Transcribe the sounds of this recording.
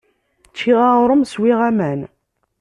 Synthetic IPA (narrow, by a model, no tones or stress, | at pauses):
t͡ʃːiʁaʁɾˤəmswiʁæmæn